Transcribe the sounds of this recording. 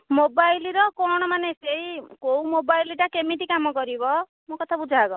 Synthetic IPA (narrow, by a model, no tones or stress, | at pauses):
mobajliɾɔkɔɽ̃ɔmaneseɦikoũmobajliʈakemiʈikamɔkɔɾibɔ | mokɔt̪ʰabud͡ʒʱaːɡɔ